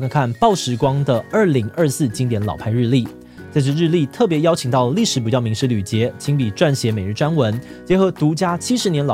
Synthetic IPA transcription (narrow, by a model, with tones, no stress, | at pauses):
kʰa˧˩nkʰa˥˩npɑ˥˩ʊʂɻ̩˧˥kwɑ˥ŋd̪ə˨ə˞˥˩li˧˥ŋʔə˞˥˧sɹ̩˥˩t͡ɕi˧˥ŋt̪jɛ˧˥nlɑ̰˨˩ʊpʰa˥˧ɪɻɻ̩˥˧li˥˩ | t͡sɪʂ̬ɻ̩˥˧ɻ̩˥˧li˥˧t̪ʰɤ˥˩p̬jɛ˧˥jɑ˥ʊt͡ɕʰi˨˩ŋt̪ɑ˥˩ʊlə˩li˥˩ʂɻ̩˧˥p̬u˨˩t͡ɕjɑ˥˩ʊmi˧˥ŋʂɻ̩˥ly˨˩t͡ɕjɛ˧˥t͡ɕʰi˧˥ŋpi˨˩ʈ͡ʂwa˥˩nɕjɛ˧˥me˨ɪɻ̩˥˩ʈ͡ʂwa˥nwə˧˥n | t͡ɕjɛ˧˥xɤ˧˥t̪u˧˥t͡ɕja˥t͡ɕʰi˥ʂɻ̩˧njɛ˧˥nlɑ˨